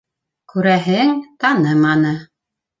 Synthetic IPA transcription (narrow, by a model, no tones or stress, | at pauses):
kʉɾæɦɘŋt̪ɑnɤmɑnɤ